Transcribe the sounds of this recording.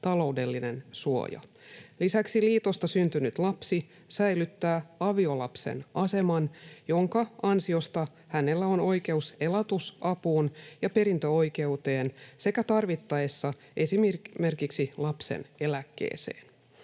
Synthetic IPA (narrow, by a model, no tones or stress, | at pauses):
t̪ɑlo̞ude̞lːine̞nsuo̞̰jɑ̰ | lisæksiliːt̪o̞st̪ɑsynt̪ynyt̪lɑpsi | sæjlyt̪ːæːɑʋio̞lɑpsḛnʔɑse̞mɑnjo̞ŋkɑɑnsio̞st̪ɑ | hæne̞lːæono̞jke̞use̞lɑt̪usɑpuːnjɑpe̞ɾint̪øojke̞ut̪e̞ːnse̞kæt̪ɑrʋit̪ːɑesːɑ | ʔe̞simme̞rkiksilɑpsḛne̞lækːḛːse̞̰ːn